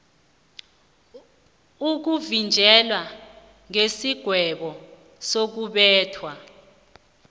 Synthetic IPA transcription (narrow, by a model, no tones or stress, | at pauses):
uk̬uvind͡ʒʱɛlwa | ŋesiɡ̥ʱwɛɓɔ | sok̬uɓɛːtʰwa